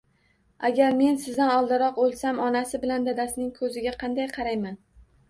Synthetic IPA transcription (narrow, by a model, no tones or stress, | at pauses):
aɡʲaɾme̞nsɪzd̪anɒlˠd̪ɪɾɒqolˠsamɒnasɪbɪland̪ad̪asnɪŋkʰɵzɪɡʲaqʰɑnd̪ajqʰɑɾajman